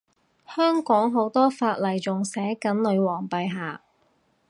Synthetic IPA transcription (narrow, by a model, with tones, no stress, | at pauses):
hœː˥ŋkɔː˨˥ŋɦo˨˥wt̪ɔː˥faː˧t̚lɐ˨˩jt͡sʊ˨ŋsɛː˨˥kɐ˨˥nlɵ˨˧ɥwɔː˨˩ŋpɐ˨jɦaː˨